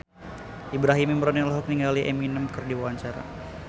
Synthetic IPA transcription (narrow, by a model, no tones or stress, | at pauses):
ʔibɾaɦimimɾɔninɔlɦɔk̚niŋɡaliʔeminəmkɨrdiwawaɲt͡ʃaɾa̰